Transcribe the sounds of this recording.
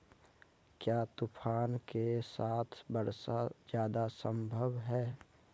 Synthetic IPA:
kjaːt̪upʰaːnkesaːt̪ʰbəɾsad͡ʒjaːd̪asəmbʱəbɦɛː

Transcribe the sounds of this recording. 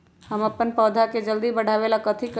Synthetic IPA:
həmɐpːənpɔːd̪ʱaked͡ʒəld̪ibɐɽ̤ʱaːʋeːlakɐt̪ʰik

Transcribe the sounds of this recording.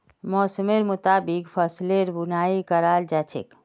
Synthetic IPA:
mɔːsəmeɾmut̪abikpʰəsleɾbunaikəɾald͡ʒat͡ʃʰḛk

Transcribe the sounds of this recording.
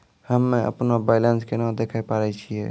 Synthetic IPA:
həmːẽʔə̰pnabaɪlənskenãd̪eːkʰajpaːɾɛt͡ʃʰiɛː

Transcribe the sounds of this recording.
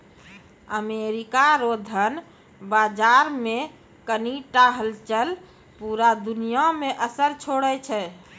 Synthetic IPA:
əmeɾikaɾod̪ʱən | bad͡ʒaɾme | kəniʈaɦəlt͡ʃəl | puɾad̪unijameʔəsəɾt͡ʃʰoɽɛt͡ʃʰɛ

